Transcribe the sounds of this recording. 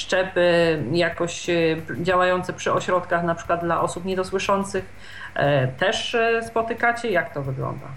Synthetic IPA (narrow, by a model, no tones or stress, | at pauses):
ʂt͡ʂɛpɘjakɔɕd͡ʑawajɔnt̪sɛpʂɘɔɕɾɔt̪kaxnapʂɘ̥kwad̪̚d̪laʔɔsupɲɛd̪ɔswɘʂɔnt̪sɘx | t̪ɛʂspɔt̪ɘkat͡ɕɛjakt̪ɔvɘɡlɔ̰nd̪a̰